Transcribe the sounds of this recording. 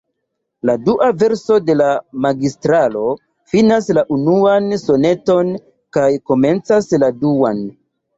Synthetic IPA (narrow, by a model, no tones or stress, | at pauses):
laduʔave̞ɾso̞de̞lamaɡistɾalo̞ | finaslaʔunuanso̞ne̞to̞n | kajko̞me̞nt͡sasladuan